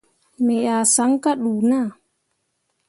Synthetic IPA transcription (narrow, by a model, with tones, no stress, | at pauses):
mɛa˨sa˦ŋkaɗuː˨na˨